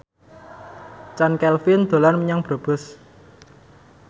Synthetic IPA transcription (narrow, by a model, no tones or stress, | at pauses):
t͡ʃankɛlfɪnd̪̥o̤lanməɲaŋb̥ɾo̤b̥ʊ̤s